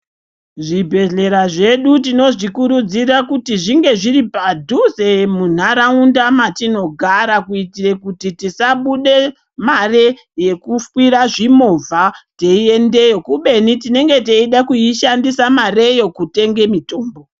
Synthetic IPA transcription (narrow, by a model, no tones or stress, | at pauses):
ʐibʱe̞ɮe̞ɾaʐe̞ɗutino̞ʐikuɾud͡zirakutiʐiŋɡe̞ʐiripadʱusemun̤aɾaundamatino̞ɡʱaɾakuitirekutitisaɓuɗe̞ | mare | je̞kufwiɾaʐimovʱate̞ie̞nde̞jo̞kuɓe̞nitine̞ŋɡe̞te̞iɗakuiʃandisamare̞jo̞kute̞ŋɡe̞mito̞ːmbo̞